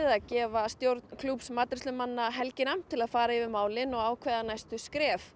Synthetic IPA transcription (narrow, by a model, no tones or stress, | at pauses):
ðacɛːvast̪jowɾt̪nkʰlupsmaːt̪ɾɪsʏmanːaɦɛlcɪnamt̪ʰɪlaðfaːɾaivɪmaːwlɪnɔɣaːwkʰvɛːðanajst̪ʏskɾɛːf